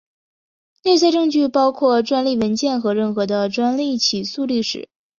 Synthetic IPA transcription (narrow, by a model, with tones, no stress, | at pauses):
ne˥˧ɪs̬a˥˧ʈ͡ʂɤ˥˧ŋt͡ɕy˥˩pɑ˥ʊkʰwɔ˥˩ʈ͡ʂwa˥nli˥˩wə˧˥nt͡ɕjɛ˥˩nxɤ˧˥ɻə˥˩nxɤ˧˥d̪ə˧ʈ͡ʂwa˥nli˥˩t͡ɕʰi˨˩su˥˧li˥˩ʂɻ̩̰˨˩˦